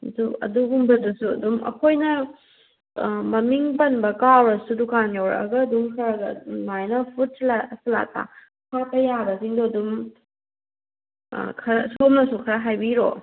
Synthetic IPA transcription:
duɐ̰duɦumbɐdusuɐ̰dumɐ̰kʰojnɐ | mɐmiŋpɐnbɐkawɾɐsudukanjowɾ̰ɐ̰ɡɐːduŋkʰɐɾaɡɐ̰najnɐpʰut̚slasla̰ta̰ | pʰapɐjabɐsiŋdoɐdum | kʰɐɾsomnɐsukʰɐɾaɦajbiɾɔ̰

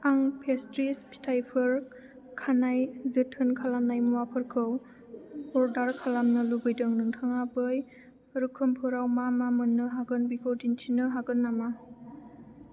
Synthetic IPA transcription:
aŋpʰestɾispʰi̥tʰajpʰɯɾ | kʰanajzɯtʰɯnkʰalamnajmuwapʰɯɾkʰɯw | ɔɾdaɾkʰalamnɯlubɯjdɯŋnɯŋtʰɯŋabɯj | ɾɯkʰɯmpʰɯɾawmamamɯnːɯɦaɡɯnbikʰɯwdintʰinɯɦaɡɯnːama

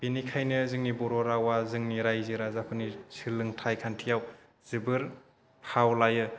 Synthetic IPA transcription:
b̥inikʰajnɯzɯŋnibɔɾɔɾawazɯŋniɾajziɾazapʰɯnisʰɯlɯŋtʰajkʰantʰijaw | zɯbɯɾ | pʰawlajɯ

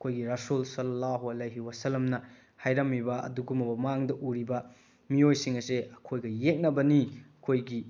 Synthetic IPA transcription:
ɐkʰojɡiɾɐsulsɐlːɐlːaɦuɐleɦiwɐsɐlːɐmnɐ | hajɾɐmːibɐɐ̰duɡumɐbɐmɐaŋdɐʔuɾibɐ | miojsiŋɐseɐkʰojɡɐjek̚nɐbɐniɐkʰojɡi

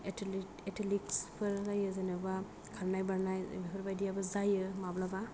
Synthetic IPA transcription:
etʰ | etʰilikspʰɯɾlajɯzanaba | kʰaɾnajbaɾnaj̰bepʰɾbajdijabazajɯmablaba

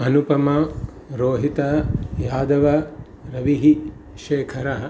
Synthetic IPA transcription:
ɐnupɐmɐ | ɾoːɦit̪ɐjaːd̪ɐʋɐ | ɾɐʋiɦi | ʃeːkʰɐɾɐɦɐ̆

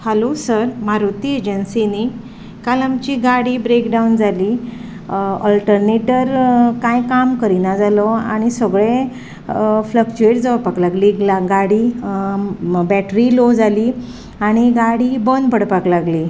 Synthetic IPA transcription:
həlosəɾmaɾut̪ied͡ʑənsini | kalamt͡ɕiɡaɽiːbɾekɖaund͡zʱaliː | ɔlʈəɾneʈəɾkãjkamkəɾinad͡zalɔa̰ɽ̃isəɡɭe | flək̚t͡ɕueʈd͡zəʋpaklaɡliːɡlaɡaɽiː | bɛʈɾilod͡zʱaliː | aɽ̃iɡaɽiːbənpəɽpaklaɡliː

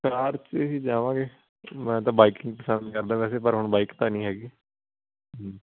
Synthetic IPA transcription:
kaːɾt͡ʃəsiːd͡ʒaːʋãːɡeː | mɛ̃ːt̪ãːbaːikɪ̃ŋɡpəsənd̪kəɾd̪ãːʋɛːseːpəɾɦʊɳbaːikt̪aːnĩːɦɛːɡiː

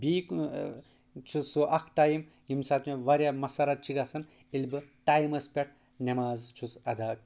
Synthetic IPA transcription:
bik | t͡ʃʰusuʔɐkʰʈaːjim | ɦimsat̪ʰmeʋaɾjamɐsaɾat͡ʃʰiɡasɐn | ilʲbɨʈaːjimɐspʲeʈ̚ʰ | nemaːzt͡ʃʰut͡sɐd̪ʱaːk̚

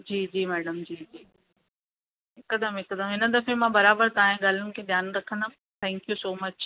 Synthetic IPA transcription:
d͡ʑiːd͡ʑiːmɛːɖəmd͡ʑiːd͡ʑiː | kːɐd̪əmɪkːəd̪əmɪnəd̪ɐfemãbɐɾaːbəɾt̪aãɦẽɡaːl̤ən̆kʰeːd̪jaːnɾɐkʰə̃nd̪ə | t̪ʰɛ̃ːŋkjusoːmɐt͡ʃ

